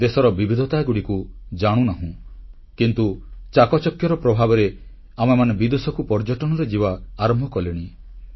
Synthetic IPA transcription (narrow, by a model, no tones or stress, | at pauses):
d̪esɔɾɔbibʱid̪ʱɔt̪aɡuɽikud͡ʒaɽ̃ũnaɦũ | kint̪ut͡ʃakɔt͡ʃɔkjɔɾɔpɾɔbʱabɔɾe | amemanebid̪usɔkupɔɾd͡ʒɔʈɔɽ̃ɔɾed͡ʒibaːɾɔmbʱɔkɔliɽ̃i